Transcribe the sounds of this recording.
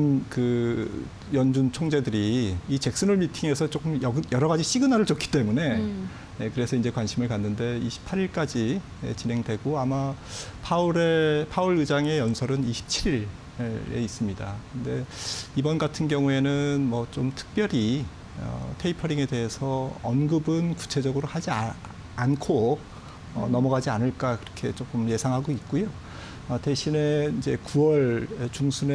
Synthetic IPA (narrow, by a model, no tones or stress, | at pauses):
nkɯ | jʌnd͡ʑunt͡ɕʰoŋd͡ʑe̞dɯɾiːt͡ɕe̞k̚s͈ɯnuɭmitʰiŋe̞sʰʌt͡ɕ͈ok͈ɯmjʌɡɯjʌɾʌɣad͡ʑiɕ͈iɡɯnaɾɯɭt͡ɕokʰi̥t͈e̞mune̞ | je̞kɯɾe̞sʰʌind͡ʑe̞kwanɕʰimɯɭkanːɯnde̞iɕʰi̥pʰaɾiɭk͈ad͡ʑi | jḛt͡ɕinɦe̞ŋdwe̞ɡoamapʰauɾepʰauɾɯd͡ʑaŋe̞jʌnsʰʌɾɯniɕʰi̥p̚t͡ɕʰiɾiɾ | e̞̰is͈ɯmɲidakɯnde̞ibʌnɡatʰɯnɡjʌŋue̞nɯnmwʌt͡ɕomtʰɯ̥k̚p͈jʌɾi | ʌ̰tʰe̞ipʰʌɾiŋe̞de̞ɦe̞sʰʌʌnɡɯbɯnku̥t͡ɕʰe̞d͡ʑʌɡɯɾohad͡ʑia | ankʰo | ʌnʌmʌɣad͡ʑianɯɭk͈akɯɾʌkʰe̞t͡ɕok͈ɯmje̞sʰaŋɦaɡoit̚k͈ujo | ʌte̞ɕʰine̞id͡ʑe̞kuwʌɭt͡ɕuŋsʰune